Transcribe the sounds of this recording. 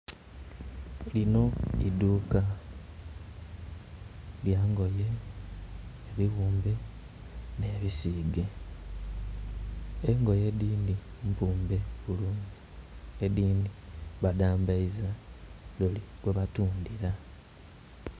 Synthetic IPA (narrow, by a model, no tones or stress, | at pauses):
lino̞iduːka | ljaːŋɡo̞je̞ | βiɣuːmbe̞ | neːβisiːɡe̞ | eŋɡo̞je̞d̪iːndimpuːmbe̞βuluːɲziediːndiβadaːmbaizadoliɡweβatuːndiɾa